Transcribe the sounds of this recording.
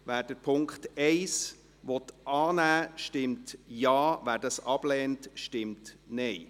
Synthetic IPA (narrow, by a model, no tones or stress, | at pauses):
væːɾd̥əɾpʰʊŋkχtɛɪs | vɔtʔɑːnæːʃtɪmtjɑːvæːɾdɑsɑb̥lɛːntʃtɪmtnɛɪ